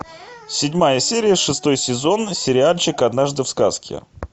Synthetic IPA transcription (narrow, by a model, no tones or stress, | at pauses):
sʲɪdʲmajəsʲeɾʲɪjəʂɨst̪o̞jsʲɪzo̞nsʲɪɾʲɪalʲt͡ɕɪkɐd̪naʐd̪ɨfskaskʲɪ̰